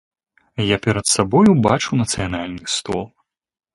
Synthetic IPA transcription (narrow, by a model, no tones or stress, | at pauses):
japʲɛɾɐt̪sabɔjubat͡ʂuwnɐt̪sɨjanalʲnɨst̪ɔ̰lˠ